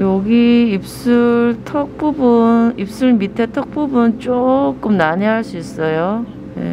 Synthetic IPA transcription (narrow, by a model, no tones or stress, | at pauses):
joɡiip̚s͈uɭtʰʌk̚p͈ubunip̚s͈uɭmitʰe̞tʰʌk̚p͈ubunt͡ɕ͈ok͈ɯmnaɲeɦaɭs͈uis͈ʌjo | je̞̰